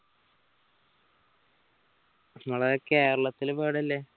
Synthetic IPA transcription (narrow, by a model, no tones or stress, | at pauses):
ŋɐɭekeːɾɐɭɐt̪ːilbeːɽɐlːeː